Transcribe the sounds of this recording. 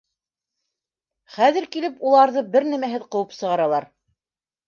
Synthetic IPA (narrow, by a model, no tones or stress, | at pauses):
χæðɘ̆ɾkilɘpulˠɑɾðɤbɘɾnæmæɦɘðqɤ̆wɤpsɤ̆ʁɑɾɑlˠɑɾ